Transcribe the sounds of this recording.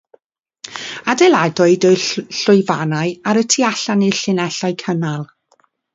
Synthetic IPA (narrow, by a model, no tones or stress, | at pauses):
adɛlˠadɔɨdɔɨɬʊɨvanaɨaɾətʰiaɬanɪɬɪnɛɬajkʰənalˠ